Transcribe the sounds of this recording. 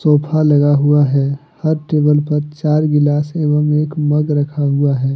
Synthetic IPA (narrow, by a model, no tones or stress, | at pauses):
soːpʰalɐɡaɦuaɦɛ | hɐɾʈeːbəlpɐɾt͡ʃaːɾɡɪlaːseːʋəmeːkmɐɡɾɐkʰaɦʊaɦɛː